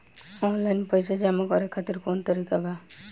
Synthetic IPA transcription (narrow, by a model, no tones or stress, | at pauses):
ɔ̃ːnlaɪnpəjsed͡ʒamakɔɾekʰːat̪iɾkoːnt̪əɾiːkaba